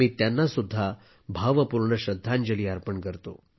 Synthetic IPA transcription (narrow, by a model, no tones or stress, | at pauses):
miːt̪janːasud̪ʱːa | bʱaʋəpuɾɳəɕɾəd̪ʱːaɲd͡ʑəliːaɾpəɳkəɾt̪o̰